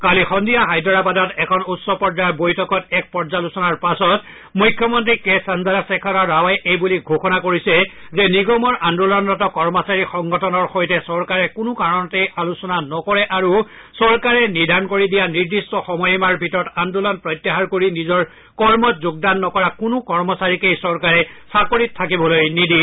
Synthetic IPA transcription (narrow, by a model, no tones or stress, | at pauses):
kalixɔndijaɦajdɔɹabadɔtɛkʰɔnutsɔpɔɹdabojtʰɔkɔtɛk̚pɔɹzalusɔnaɹpasɔt | mujkʰːjɔmɔntɹikɛsanzaɾasɛkʰɔɾaɹawajʔejbuliɡʱoxɔnakoɹisɛzɛniɡɔmɔɹʔandulɔnːɔtɔkɔɹmɔsaɹixɔŋɡɔtʰɔnɔɹxojtɛsɔɹkaɹɛkʊnʊkaɹɔnɔtɛjalusɔnanɔkɔɹɛʔaɹu | sɔɹkaɹɛnidʱankoɹidijaniɹdistɔxɔmɔjɛmaɹbʱitɔɹɔtandulɔnpɹɔjtjaɦaɹkoɹinizɔɹ | kɔɹmɔtzʊɡ̚danːɔkɔɹakʊnʊkɔɹmɔsaɹikejsɔɹkaɹɛsakoɹitʰːakibɔlojnidi